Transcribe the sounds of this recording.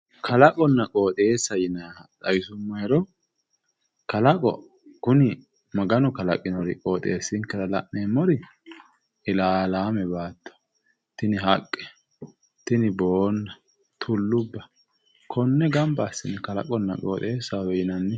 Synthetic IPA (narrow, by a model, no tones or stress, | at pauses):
kʰɐlɐkʼɔnːɐkʼo̞ːt̪ʼe̞ːsːɐjɪnat̪ʼɐjsʊmːɐjɛɾɔ | kɐlɐkʼɔ̰ | kʊnɪ | mɐɡɐnɔkɐlɐkʼɪnɔɾɪ̰kʼo̞ːt̪ʼeːsːɪŋkːɐɾɐlɐ̰ʔneːmːɔɾɪ | ɪlaːlaːmɛbaːt̪ːɔ̥ | t̪ɪnɪɦɐkʼːɛ̥ | t̪ɪnɪboːnːɐ | t̪ʰʊlːʊbːɐ | kʰɔnːɛɡɐmbɐːsːɪnɛkɐlɐ̰kʼɔnːɐ̰kʼoːt̪ʼeːsːawɛjɪnɐnːɛ